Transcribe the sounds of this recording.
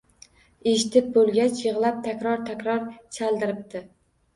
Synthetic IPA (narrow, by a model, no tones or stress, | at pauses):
eʃɪt̪ʰɪp̚bolˠɡʲat͡ʃʰjɨʁlˠap̚t̪ʰakʲɾɒɾt̪ʰakʲɾɒɾt͡ʃʰalˠd̪ɪɾɪp̚t̪ɪ